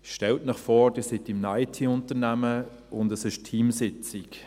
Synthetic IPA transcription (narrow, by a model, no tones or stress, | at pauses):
ʃtɛltmɪχfɔːɾd̥ɪːsɪtɪmnajtʰiːʊntəʁnæmə | ʊndəsɪʃtʰiːmsɪt͡sɪk